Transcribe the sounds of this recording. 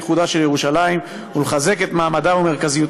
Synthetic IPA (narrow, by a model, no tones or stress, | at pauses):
χud̪aʃe̞ljeuʃalaim | uleχaze̞ket̪maːmadaume̞ʁkazijut̪